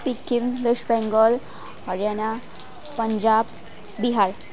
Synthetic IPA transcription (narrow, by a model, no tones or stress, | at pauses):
pikːinʋeʂbɛ̃ŋɡəl | həɾjana | pəɲd͡ʑab | biɦaɾ